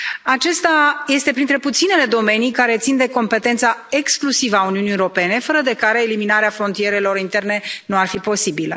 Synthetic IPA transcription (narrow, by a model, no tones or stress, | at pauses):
at͡ʃe̞st̪aje̞st̪e̞pɾint̪ɾe̞put̪sinele̞d̪o̞me̞nijkaɾe̞t̪sind̪e̞ko̞mpe̞t̪ent̪sae̞ksklusivəauniunijeɾo̞pe̞ne̞fəɾəd̪e̞kaɾe̞ːliminaɾeafɾo̞nt̪ije̞ɾe̞lo̞ɾint̪e̞rne̞nuarfipo̞sibilə̰